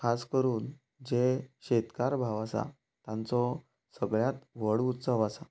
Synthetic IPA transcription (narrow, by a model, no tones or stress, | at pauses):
kʰaskəɾuːn | d͡ʑeɕet̪kaɾbʱaʋasa̰ | t̪ãnt͡sɔ | səɡɭjat̪ʋəɽut̪səʋasa